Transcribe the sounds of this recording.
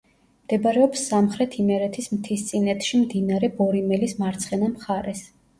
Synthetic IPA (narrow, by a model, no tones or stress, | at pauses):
md̪̥ɛbɾɛɔpsːamχɾɛt̪ʰimɛɾɛt̪ʰismt̪ʰist̪sʼinɛt̪ʰʃimd̪inaɾɛbɔɾimɛlismaɾt̪sʰχɛnamχaɾɛs